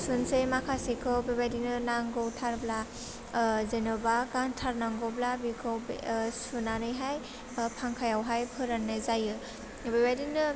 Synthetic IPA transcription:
sunsejmakʰasikʰɔbebajdinɯnaŋɡɔwtʰaɾbla | zenɔbakaŋtʰaɾnaŋɡɔwblabikʰɔwbsunanɯjɦaj | pʰaŋkʰajawɦajpʰɯɾanːezajɯ | bebajdinɯ

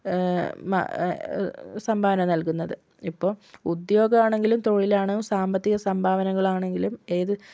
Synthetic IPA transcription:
ma̰ | sɐmbʱaːʋɐnɐmnɐlkunːɐðɨ | ipːo̞ːɭud̪jo̞ːɡɐmaːɳe̞ŋɡilumt̪o̞ːɻilaːɳɨsaːmbɐt̪ːiɣɐsɐmbʱaːʋɐnɐŋːɐɭaːɳe̞ŋɡilumeːðɨ

